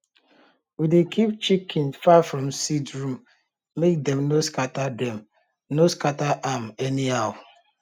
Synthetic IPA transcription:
widekʰip̚t͡ʃikʰinfafɾɔ̃msitɹũm | mek̚dɛmnoskatadɛm | noskataʔamɛniaʊ

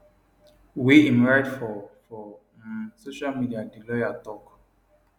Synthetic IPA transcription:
weĩmɹajdfɔfɔ | soʃalmidiadilɔjatɔk

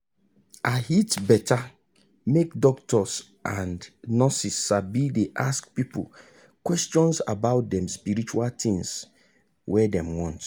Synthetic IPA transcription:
ahitbɛtʰa | mekdɔk̚tʰɔs | ʔãndnɔsisːabideʔaskpipṵl | kwɛstɔ̃nsa̰baʊt̚dɛ̃mspiɾit͡ʃualt̪ɪ̃ŋs | wɛdɛ̃mwɔ̃nt

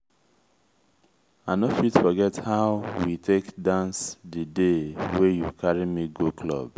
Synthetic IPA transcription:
anofitfɔɡɛthaʊwitʰekdãnsdədewejukʰaɹimiɡokʰlɔ̰b̥

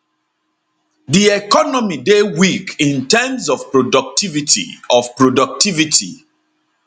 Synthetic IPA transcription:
diɛkɔnɔmidewikĩntɛmsɔvpɹodɔk̚tivitḭɔvpɹodɔk̚tivitʰḭ

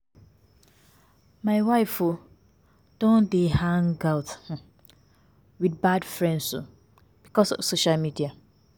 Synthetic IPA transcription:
maɪwaɪfo | d̥õndehãŋɡaʊt | widbadfɹɛ̃ndso̰ | b̥ikɔsɔ̰v̥soʃalmidia

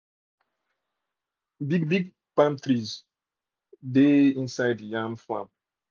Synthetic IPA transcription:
biɡbiɡ̚ | pãmtɹiz | deĩnsaɪdjãŋflã̰m̚

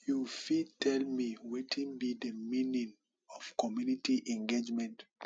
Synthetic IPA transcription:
jufitʰɛlmiwetʰĩnbidəmĩnĩŋ | ɔv̥kɔmjunitiʔɛ̃ŋɡed͡ʒmɛ̃nt

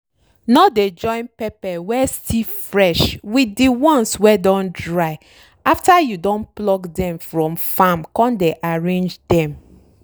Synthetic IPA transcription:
nɔded͡ʒɔ̃ɪ̃npɛpɛwɛstʰifɹɛʃwidiwɔ̃nswɛdɔ̃ndɹaɪ | aftajudɔ̃nplɔkdɛ̃mfɹɔ̃mfãmkɔ̃ndeʔaɹẽnd͡ʒdɛ̃m

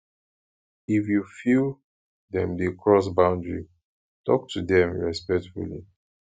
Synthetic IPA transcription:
ifjufilˠ | dɛ̃mdekʰɹɔs̬bãʊ̃ndɹḭ | tɔk̚tʰudɛ̃mɹɛspɛk̚tfṵlḭ

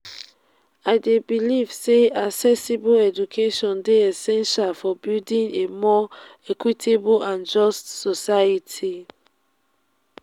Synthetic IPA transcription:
aɪdebiliv̥seasɛsiboɛd͡ʒukʰeʃɔ̃ndeɛsɛ̃nʃalfɔbildĩnemɔɛkwitʰeboãnd͡ʒɔstsɔsaitʰi

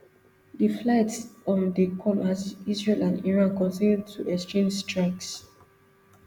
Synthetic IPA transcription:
ðəflaɪtɔ̃ndəkʰɔ̃mazisɹelãniɹãnkɔ̃nsɛnd̚tʰuʔɛkstẽmstɹaɪks

